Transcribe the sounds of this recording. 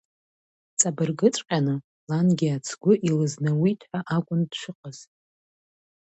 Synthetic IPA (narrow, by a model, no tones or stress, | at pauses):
t͡sʼabɨrɡɨt͡sʷʼqʲʼanɨ | lanɡʲiat͡sʰɡʷʊʔilɨznɨwitʰʼħʷaʔakʷʼʊndʃʷɨqʼəz̥